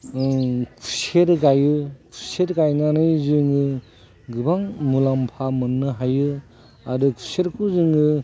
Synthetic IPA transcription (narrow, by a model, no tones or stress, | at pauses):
kʰu̥seɾɡajɯkʰuseɾɡajnanɯjzɯŋɯ | ɡɯbaŋmulampʰamɯnːɯɦajɯ | aɾɯkʰu̥seɾkʰuzɯŋɯ